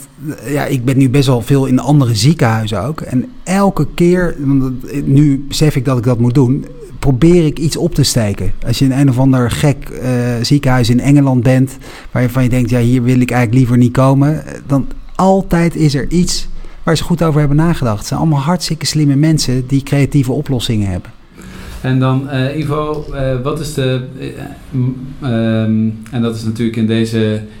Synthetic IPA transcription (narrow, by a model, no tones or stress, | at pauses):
ja̰ːʔɪɡ̚bɛnːybɛstʋɛlˠvɪːlˠɪnəʔɑndərəzikəɦœɥzəo̰wkɛ̰n | ɛlˠkəkɪːɹʋɑnnybəsɛfɪɡ̚dɑtɪɡ̚dɑtmut̚dun | prowbɪːrɪkitsɔp̚təstejkəɑlsjəənejnɔvɑndəɹχɛkzikəɦœɥsɪnɛŋəlɑnd̚bɛnt | ʋaːɹjəvɑnjədɛŋktjaːɦiːɹʋɪlˠɪkɛjχələklivəɹnit̚kowmə | dɑnɑlˠtɛjtɪsɛɹʔitsʋaːɹzəχutowvəɹɦɛbənaːχədɑχtsɛjnɑ̰lˠmɑlˠɦɑɹtstɪkəslɪməmɛnsədikrejativəɔplɔsɪŋənɦɛ̰bə | ɛndɑnivoʋɑtɪsə | ɛndɑtɪsnatyːləkɪndejzə